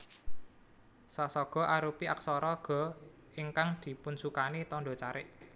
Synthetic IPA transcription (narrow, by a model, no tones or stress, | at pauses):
sasɔɡ̥ɔ̤ʔaɾupiʔa̰k̚sɔɾɔɡ̥ɔ̤ | iŋkaŋd̪̥i̤pʊnsukanit̪ɔnɖɔt͡ʃaɾɪ̰ʔ